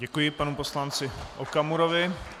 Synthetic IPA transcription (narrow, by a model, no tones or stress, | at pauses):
ɟɛkujɪpanuposlant͡sɪʔokamuɾovɪ